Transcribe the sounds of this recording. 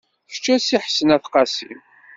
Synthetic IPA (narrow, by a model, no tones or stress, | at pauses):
t͡ʃːæsiħə̥sənæθqɑsim